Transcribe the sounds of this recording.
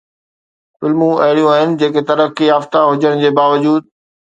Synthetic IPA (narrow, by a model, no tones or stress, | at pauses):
fɪlmũɐɦɪɽijũaːɦɪnɪ̆d͡ʑeːket̪ɐɾəkiaːft̪aɦʊd͡ʑəɽ̃d͡ʑeːbaːʋəd͡ʑuːd̪̚